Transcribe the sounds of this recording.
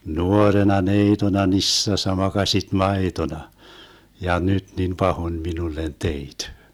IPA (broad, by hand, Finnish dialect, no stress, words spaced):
nuorenɑ neitonɑ nisːɑsːɑ mɑkɑsʲit mɑetonɑ jɑ nyt nin pɑhon minulːen teit